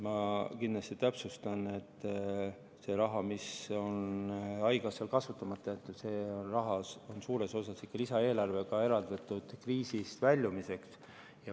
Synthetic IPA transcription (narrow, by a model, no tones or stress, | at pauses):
mɑkind̪lɑst̪it̪æpsust̪ɑne̞t̪ːˑ | se̞ɾɑɦɑmiso̞nɑjɡ̥ɑselkɑsvut̪ːˑɑmɑt̪ːˑɑet̪ːud̪se̞ːonrɑɦɑso̞nsuːɾe̞so̞sɑsikːɑlisɑe̞ːlɑrve̞kɑe̞ɾɑld̪ɑt̪ːˑud̪̥kriːsist̪vælʲjumise̞ks | jɑ